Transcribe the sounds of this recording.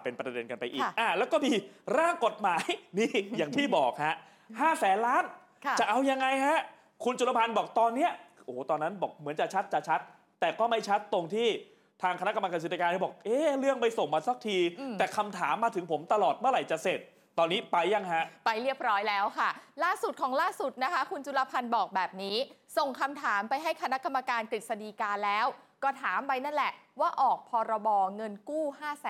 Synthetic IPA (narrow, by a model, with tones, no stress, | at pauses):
pe˧npɾa˧de˧nka˧npa˧jʔḭː˨˩k̚ʔaː˨˩lɛː˦˥wkɔː˥˩miː˧ɾaː˥˩ŋko˨˩t̪̚maː˩˦jniː˥˩jaː˨˩ŋt̪ʰiː˥˩bɔː˨˩k̚ha˦˥ʔ | haː˥˩sɛː˨˩˦nlaː˦˥n˧ | t͡ɕa˨˩ʔa˧wja˧ŋːa˧jɦa˦˥ʔ | kʰu˧nt͡ɕʰu˨˩t̪ːa˧pʰa˧nbɔː˨˩k̚t̪ɔː˧nːi˦˥ɐʔoː˨˩t̪ɔː˧nːa˦˥nbɔː˨˩k̚mɯ˩˦ənt͡ɕa˨˩t͡ɕʰa˦˥t̪̚t͡ɕa˨˩t͡ɕʰa˦˥t̪̚ː | ɛː˨˩kɔː˥˩ma˥˩jt͡ɕʰa˦˥t̪ːo˧ŋt̪ʰiː˥˩ | t̪ʰaː˧ŋkʰa˧na˦˥ka˧mla˧ka˧si˨˩ja˧aː˧ni˥˩bɔː˨˩k̚ʔeː˧˥˩ɾɯ˥˩əŋpa˧jso˨˩ŋmaː˧sa˦˥k̚t̪ʰiː˧ɛː˨˩kʰa˧mt̪ʰaː˩˦mːaː˧t̪ʰɯ˩˦ŋpʰo˩˦mt̪a˧lɔː˨˩t̪̚mɯ˥˩əɾa˨˩jt͡ɕa˨˩se˨˩t̪̚ːɔː˧nːiː˦˥pa˧jːa˧ŋɦa˦˥ʔpa˧jɾi˥˩əp̚ɾɔː˦˥jlɛː˦˥wkʰa˥˩laː˥˩su˨˩t̪̚kʰɔː˩˦ŋlaː˥˩su˨˩t̪̚na˦˥kʰa˦˥kʰu˧nt͡ɕu˧laː˧pʰa˧nbɔː˨˩k̚bɛː˨˩p̚niː˦˥so˨˩ŋkʰa˧mt̪ʰaː˩˦mpa˧jɦa˥˩jkʰa˧na˦˥ʔka˧mːa˧kaː˧nkɾi˨˩t̪̚sa˧diː˧kaː˧lɛː˦˥wkɔː˥˩t̪ʰaː˩˦mwa˧jna˥˩nlɛ˨˩ʔwaː˥˩ʔɔː˨˩k̚pʰɔː˧ɾa˧bɔː˧ŋɤ˧nkuː˥˩haː˥˩sɛː˨˦